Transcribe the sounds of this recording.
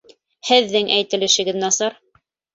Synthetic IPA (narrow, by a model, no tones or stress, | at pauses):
hɘ̆ðːɘŋʔæjt̪ɘ̆lɘ̆ʃɘ̆ɡɘðnɑsɑɾ